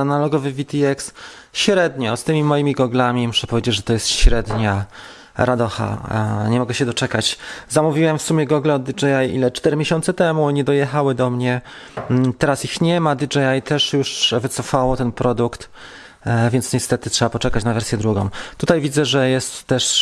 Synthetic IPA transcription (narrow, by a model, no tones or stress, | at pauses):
analɔɡɔvɘvʲit̪ʲiɛks | ɕɾɛd̪ɲɔst̪ɘmʲimɔjimʲiɡɔɡlamʲimuʂɛpɔvʲjed͡ʑed͡ʑʐɛt̪ɔjɛst̪ɕɾɛd̪ɲa | ɾad̪ɔxa̰ɲɛmɔɡɛɕɛd̪ɔt͡ʂɛkat͡ɕzamuvʲiwɛmfsumʲjɛɡɔɡlɛɔd̪id͡ʐɛjajḭlɛt͡ʂt̪ɛɾɘmʲeɕɔnt̪sɛt̪ɛmuɲɛd̪ɔjɛxawɘd̪ɔmɲɛ | t̪ɛɾasixɲɛmad̪ʲid͡ʐɛjajt̪ɛʂjuʂvɘt̪sɔfawɔt̪ɛnpɾʔɔd̪ukt̪ | vʲjɛnt̪sɲɛst̪ɛt̪ɘtʂɛbapɔt͡ʂɛkat͡ɕnavɛɾsʲjɛd̪ɾuɡɔ̰̃w̃t̪ut̪ajvʲid̪zɛʐɛjɛst̪ːɛʂ